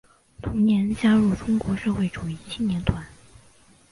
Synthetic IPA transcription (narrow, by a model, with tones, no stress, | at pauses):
t̪ʰʊ˧˥ŋnjɛ˧˥nt͡ɕja˥ɻu˥˩ʈ͡ʂʊ˥ŋkwɔ˧˥ʂɤ˥˧xwe˥˩ɪʈ͡ʂu˨˩i˥˩t͡ɕʰi˥˧ŋnjɛ˧˥nt̪ʰwa˧˥n